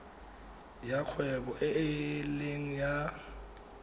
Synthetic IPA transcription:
jakʰwɛbɔʔɛɪlɪŋ̩ja

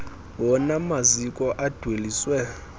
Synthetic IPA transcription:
wɔnamazikʼɔʔad̥ʱweliswɛ

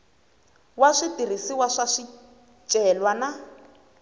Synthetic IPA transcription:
waʂitir̤isiwaʂaʂi | t͡ʃʼɛlwana

